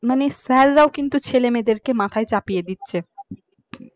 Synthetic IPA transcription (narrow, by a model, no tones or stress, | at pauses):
manesɛɾːaokint̪ut͡ɕʰelemed̪eɾkemat̪ʰaet͡ɕapijed̪itːɕʰe